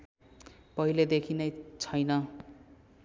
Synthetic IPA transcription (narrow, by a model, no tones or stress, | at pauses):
pʌiled̪ekʰinʌjt͡sʰʌjnʌ